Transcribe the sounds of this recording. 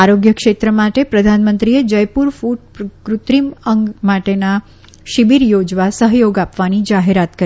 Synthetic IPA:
aɾoɡjəkʃet̪ɾəmaʈepɾəd̪ʱanmənt̪ɾied͡ʒəjpuɾfuʈ̚pkɾut̪ɾiməŋɡmaʈena | ʃibiɾjod͡ʒʋasəɦjoɡapʋanid͡ʒaɦeɾat̪kə

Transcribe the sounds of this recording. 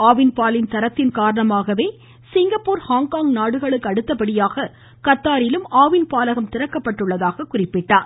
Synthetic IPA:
aːʋɪnpaːlɪnt̪ɐɾɐt̪ːɪnkaːɾɐɳɐmaːɣɐʋeː | sɪŋɡɐpːuːɾhaːŋkaːŋnaːɽɯɣɐɭɯkːɯɐɽɯt̪ːɐpɐɽɪjaːɣɐ | kɐt̪ːaːɾɪlɯmaːʋɪnpaːlɐɣɐmt̪ɪɾɐkːɐpːɐʈːɯɭːɐðaːɣɐkʊrɪpːɪʈːaːɾ

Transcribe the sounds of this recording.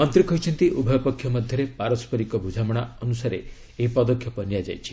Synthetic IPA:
ɔnt̪ɾikɔɦjt͡ʃʰɔnt̪iʔubʱɔjɔpɔkʰːjɔmɔd̪ʱjɔɾepaɾɔspɔɾikɔbʱud͡ʒʱamɔɽ̃aɔnusaɾe | epɔd̪ɔkʰjɔpɔnijad͡ʒajt͡ʃʰi̥

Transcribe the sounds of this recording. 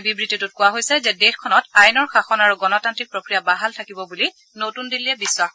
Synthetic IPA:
bibɹititut̚kʊwaɦojsɛzɛdexkʰɔnɔtajnɔɹxaxɔnaɹuɡɔnɔtantɹik̚pɹokɹijabaɦaltʰakibɔbuli | notundiliɛbisːwax

